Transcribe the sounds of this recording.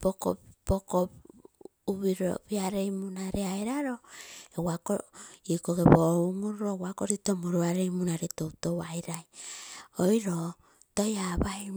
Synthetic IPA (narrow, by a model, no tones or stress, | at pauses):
poko̰poko | uβiɾo̰biaɾejmunaɾeajɾaɾoewakoikoɡeboumuɾuɾowakoɾitomuɾuaɾejmunaɾetowtowajɾaj | ojɾo | tojabai